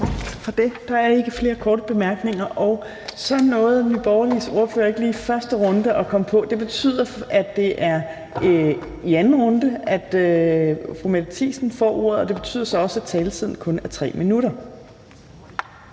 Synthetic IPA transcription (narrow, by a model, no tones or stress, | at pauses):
fɒ̽d̥e̝d̥ɑ̈æɐe̝ɡ̥əfle̝ːɐkʰɒːdəb̥e̝mæɐɡ̥ne̝ŋɐʔɒʊ | sɒ̽nnːɔ̽ːð̞̩ˠnib̥ɒʊɐliso̝ɐfø̰ːɐe̝ɡ̥əliːfɶɐsd̥əʁɔ̽nd̥əʔɒ̽kʰɒ̽məpʰɒ̽d̥e̝b̥e̝t͡sʰy̰ð̰ˠɐæd̥ːe̝ʔæɐ | iænn̩ʁɔ̽nd̥əæd̥ | fʁumæd̥t͡sʰḭːsn̩fɒ̰ːo̝ɐ̰ðˠɒ̽d̥e̝b̥e̝̥t͡sʰy̰ð̰ˠɐsɒ̽ɒ̽sæt͡sʰɛːlət͡sʰið̞̰ˠn̩kʰɔ̽næɐt͡sʰʁɛ̰ːminuɾ̥ɐ